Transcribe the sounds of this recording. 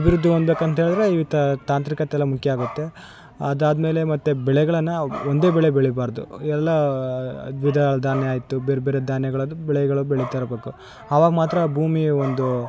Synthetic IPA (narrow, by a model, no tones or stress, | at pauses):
ɐbiɾud̪ʱːiond̪beːkɐnt̪ɐɦeːɭid̪ɐɾeiʋit̪ɐt̪aːnt̪ɾikɐt̪eɛlːɐmukjɐaːɡut̪ːe̞ | ɐd̪aːd̪me̞ːle̞mɐt̪ːebɛɭɛɡɐɭɐnːɐond̪e̞ːbɛɭebɛɭibaːɾd̪ṵɛlːɐ | ʋid̪ʱaɭɐd̪ʱaːnjeaːjit̪ːubeːɾebeːɾed̪ʱaːnjɐɡɐɭɐd̪ubɛɭɛɡɐɭubɛɭit̪ɐɾɐbe̞ːku | ɐʋaːɡɐmaːt̪ɾɐbʱuːmiond̪u